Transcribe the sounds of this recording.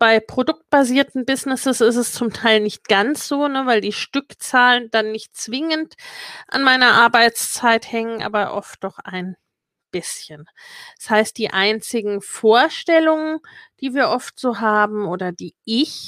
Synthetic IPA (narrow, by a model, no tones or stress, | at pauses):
b̥aɪpʁ̥odʊk̚t̚b̥aziːɐtn̩bɪznɪsəsɪs̬tɛst͡sʊmtʰaɪlnɪçt̚ɡ̥ant͡sz̥oːnəvaɪldiːʃtʏkt͡saːləndanːɪçt̚t͡sv̥ɪŋəntʔa̰nmaɪnɐʔaɐbaɪt͡st͡saɪthɛŋənʔa̰ːbɐʔɔ̰ft̚d̥ɔχa̰ɪn | b̥ɪsçən | ɛshaɪst̚d̥iːʔaɪnt͡sɪɡŋ̩foːɐʃtɛlʊŋənd̥iːviːɐʔɔftz̥oːɦaːbm̩ʔoːdɐdiːʔɪç